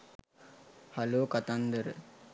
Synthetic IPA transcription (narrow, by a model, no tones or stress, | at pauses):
haloːkat̪and̪əɾə̰